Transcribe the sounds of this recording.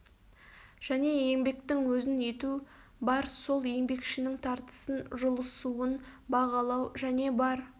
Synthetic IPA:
ʒ̥æne̞je̞ŋbe̞k̚t̪ɪŋwɵzɪnje̞t̪u | bɑɾso̞lˠje̞ŋbe̞kʃɪnɪŋt̪ʰɑɾt̪ə̥sənʒʊlˠəsuənbɑʁɑlˠɑwʒæne̞bɑɾ

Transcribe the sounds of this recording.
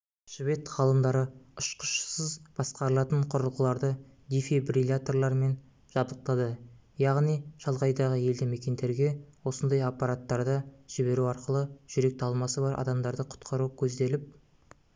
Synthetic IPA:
ʒ̥ɪve̞t̪ʁɑlˠəmd̪ɑɾəʊʃqə̥ʃsəzb̥ɑsqɑɾəlˠɑt̪əɴqʰʊɾəlˠʁəlˠɑɾd̪ə | d̪ifebrilʲat̪o̞rlˠɑɾme̞n | ʒ̥ɑbd̪əq̚t̪ɑd̪əjɑʁnijʒɑlˠʁɑjd̪ɑʁəje̞ld̪ɪme̞kʲe̞nd̪e̞ɾɡʲe̞wo̞sənd̪ɑjapːɑɾat̪ːɑɾd̪əʒ̥ɪbe̞ɾuɑɾqəlˠəʒ̥ʏɾe̞k̚t̪ʰɑlˠmɑsəbɑɾʔɑ̰d̪ɑmd̪ɑɾd̪əqʰʊ̥t̪qʰɑɾukʲʰɵzd̪e̞lɪp̚

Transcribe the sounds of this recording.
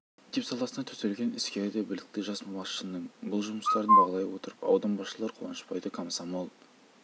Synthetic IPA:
d̪epsɑlˠɑsənɑt̪ʰɵselɡʲe̞nɪskʲeɾɪd̪ebɪlɪk̚t̪ɪʒɑsmɑmɑʃənːəɴbʊlˠʒʊməst̪ɑɾənbɑʁɑlˠɑjwot̪əɾəpɑ̰wd̪ɑnbɑʃəlˠɑɾqʰʊwɑ̰nə̥ʃpɑjd̪əkʰamsɑmɑlˠp

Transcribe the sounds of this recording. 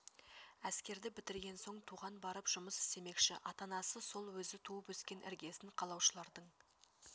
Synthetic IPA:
æskʲe̞ɾd̪ɪbɪt̪ɪɾɡʲe̞nso̞ɴt̪ʰuʁɑnbɑɾəpʒ̥ʊməsɪ̥st̪e̞me̞kʃɪ̰ʔɑt̪ɑnɑsəso̞lˠwɵzɪt̪ʰuəpwɵskʲe̞nʔɪ̰ɾɡʲe̞sɪɴqʰɑlˠɑwʃəlˠɑɾd̪əɴ

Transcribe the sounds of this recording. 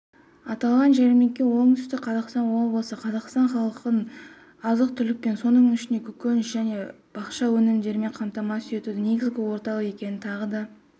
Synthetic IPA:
ɑt̪ɑlˠʁɑnʒæɾme̞kʲːe̞wo̞ɴt̪ʰʏ̥st̪ɪqʰɑzɑqst̪ɑnwo̞blˠəsəqʰɑzɑqst̪ɑɴχɑlˠəqən | ɑzəq̚t̪ʰʏlɪk̚pe̞nso̞nəɴʏʃɪnd̪e̞kʲʰʏkʲønʒæne̞ | b̥ɑqʃɑwɵnɪmd̪e̞ɾɪme̞ɴqʰɑmt̪ɑmɑsʏje̞t̪ud̪ɪne̞ɡʲɪzɡʲɪwo̞ɾt̪ɑlˠəe̞kʲe̞nɪnt̪ʰɑʁəd̪ɑ

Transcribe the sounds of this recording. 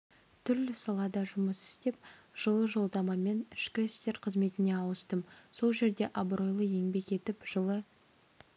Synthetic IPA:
t̪ʰʏɾlɪsɑlˠɑd̪ɑʒʊməsɪ̥st̪e̞p̚ʒ̥əlˠəʒo̞lˠd̪ɑmɑme̞nɪʃkʲɪɪst̪e̞ɾqʰəzme̞t̪ɪne̞ɑwəst̪əmso̞lˠʒe̞ɾd̪e̞ʔɑbɾo̞jlˠəje̞ŋbe̞ke̞t̪ɪpʒ̥əlˠə

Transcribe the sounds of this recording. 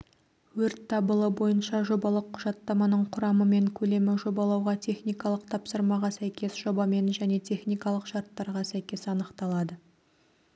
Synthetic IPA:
wɵɾt̪ʰːɑbəlˠəbo̞jənʃɑʒo̞bɑlˠəqʰːʊʒɑt̪ːɑmɑnəɴqʰʊɾɑməme̞ŋkʲʰɵle̞mɪʒo̞bɑlˠɑwʁɑt̪ʲʰe̞χnijkɑlˠəqt̪ʰɑpsəɾmɑʁɑsæjkʲe̞sʒ̥o̞bɑme̞nʒæne̞t̪ʲʰe̞χnijkɑlˠəqʃɑɾt̪ːɑɾʁɑsæjkʲe̞sɑnəqt̪ɑlˠɑd̪ə

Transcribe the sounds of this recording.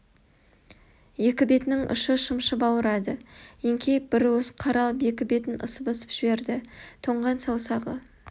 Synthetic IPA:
je̞kʲɪbe̞t̪ɪnɪŋʔʊ̰ʃəʃəmʃəbɑwəɾɑd̪əjeŋkʲʰe̞jp̚b̥ɪɾwɵzqʰɑɾɑlˠpe̞kʲɪbe̞t̪ɪnə̰səpəsə̥pʒ̥ɪbe̞ɾd̪ɪt̪ʰoɴʁɑnsɑwsɑʁə̰

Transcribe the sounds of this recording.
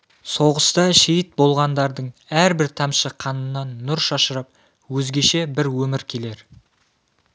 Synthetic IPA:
soʁəst̪ɑʃejɪt̪̚bo̞lˠʁɑnd̪ɑɾd̪əɴæɾbɪɾt̪ʰɑmʃəqʰɑnənːɑnːʊɾʃɑʃəɾəp̚ | wɵzɡʲe̞ʃe̞bɪɾwɵmɪɾkʲʰe̞le̞ɾ

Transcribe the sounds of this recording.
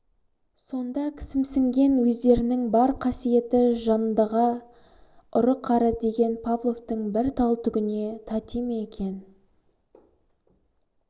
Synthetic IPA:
so̞nd̪ɑkʲʰɪ̥sɪmsɪŋɡʲe̞nwɵzd̪e̞ɾɪnɪŋbɑɾqʰɑsije̞t̪ɪʒɑnnd̪ɑʁɑ | ʊɾəqʰːɑɾəd̪e̞ɡʲe̞npʰavlˠo̞ft̪əɴbɪɾt̪ʰɑlˠt̪ʏɡʲɪne̞t̪ʰɑt̪imeekʲʰe̞n

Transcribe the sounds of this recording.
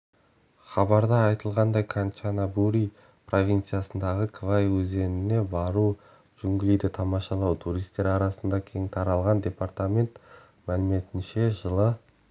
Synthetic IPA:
χɑbɑɾd̪ɑːjt̪əlˠʁɑnd̪ɑjkʰant͡ʃanabuɾij | pʰro̞vʲijnt̪sɨjasənd̪ɑʁəkʰvajwɵze̞nɪne̞bɑɾu | ʒ̥ʏŋɡʲɪlijd̪ɪt̪ʰɑmɑʃɑlˠɑwt̪ʰuɾijst̪e̞ɾɑɾɑsənd̪ɑkʲʰe̞ŋt̪ʰɑɾɑlˠʁɑnd̪ʲe̞part̪amʲe̞nt̪ | mælɪme̞t̪ɪnʃe̞ʒəlˠə

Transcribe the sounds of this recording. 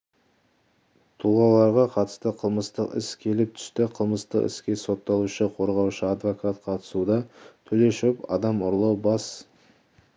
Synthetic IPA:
t̪ʰuʁɑlˠɑɾʁɑqʰɑt̪ə̥st̪əqʰəlˠməst̪əqɪ̰skʲʰe̞lɪp̚t̪ʰʏ̥st̪ɪqʰəlˠməst̪ə̰qɪ̰skʲe̞so̞t̪ːɑlˠuʃəqʰo̞ɾʁɑwʃəad̪vokat̪̚qʰɑt̪ə̥sud̪ɑt̪ʰɵle̞ʃɪpɑ̰d̪ɑmʊɾlˠɑwbɑs

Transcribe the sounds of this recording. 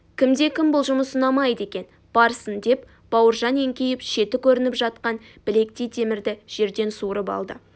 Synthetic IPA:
kʲʰɪmd̪e̞kʲʰɪmbʊlˠʒʊməsənɑmɑjd̪e̞kʲe̞n | b̥ɑɾsənd̪e̞p | b̥ɑwəɾʒɑne̞ŋkʲejɪpʃe̞t̪ɪkʲʰɵɾɪnɪpʒɑt̪̚qɑn | b̥ɪle̞k̚t̪ejt̪ʰe̞mɪɾd̪ɪʒ̥e̞ɾd̪e̞nsuɾəpɑ̰lˠd̪ə̰

